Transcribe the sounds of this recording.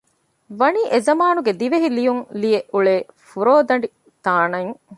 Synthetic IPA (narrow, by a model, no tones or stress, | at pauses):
ʋɐniːʔezɐmaːnuɡed̪iʋeɦilijuŋlijeʔuɭeːfuɾoːd̪ɐɳɖi | t̪aːnɐŋ